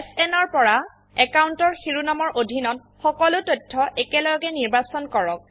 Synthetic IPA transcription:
sɛnɔɹpɔɹa | ɛkawuntɔɹxiɹunamɔɹʔodʱinɔt | xɔkɔlʊtotʰːɔʔɛkɛlɔjɡɛniɹbasɔnkɔɹɔk̚

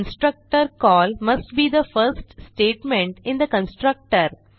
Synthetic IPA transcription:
nsʈɾək̚ʈəɾkɔːlmɐsʈbiːd̪əfəɾsʈsʈeːʈmẽɳʈɪ̃nd̪əkə̃nsʈɾək̚ʈəɾ

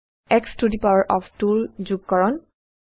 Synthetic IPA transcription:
ɛkstudipawəɹʔɔptulzuɡ̚kɔɹɔn

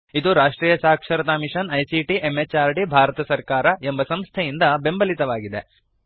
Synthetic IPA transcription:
id̪uɾaːʂʈɾiːjɐsaːkʂɐɾɐt̪aːmiʂɐnɐjsiʈiʔemet͡ʃːaːɾɖibʱaːɾɐt̪ɐsɐɾkaːɾɐembɐsɐmst̪ʰejind̪ɐbe̞mbɐlit̪ɐʋaːɡid̪e̞

